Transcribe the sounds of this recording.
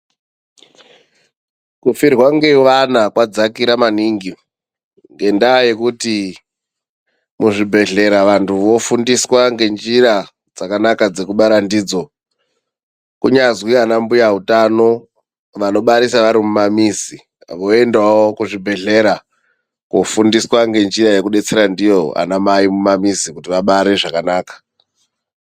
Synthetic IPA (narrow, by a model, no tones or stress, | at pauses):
kufirwaŋɡeʋanakwad͡zakiɾamaniŋɡi | ŋɡe̞ndaːje̞kuti | muʐibʱe̞ɮe̞ɾaʋantʰuʋo̞fundiswaŋɡe̞nd͡ʒiɾa | d͡zakanakad͡ze̞kuɓaɾandiːd͡zo̞ | kuɲazwianambujaɦutano̞ | ʋano̞ɓaɾisaʋaɾimumamisi | ʋoe̞ndawokuʐibʱe̞ɮe̞ɾa | kofundiswaŋɡe̞nd͡ʒiɾaje̞kuɗe̞t͡se̞ɾandijo̞a̰namaimumamisikutiʋaɓaɾe̞ʐakanaːkḁ